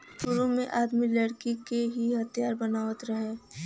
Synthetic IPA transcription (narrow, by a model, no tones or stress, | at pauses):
ʃuɾõmẽʔaːd̪milɐɽkikeɦiɦɐt̪ʰjaːɾbɐnaːʋət̪ɾɐɦeː